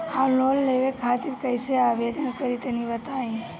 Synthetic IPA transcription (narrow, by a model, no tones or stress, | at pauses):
halolːeʋekʰaːt̪iɾkəjseabed̪ənkəɾit̪enibət̪aːi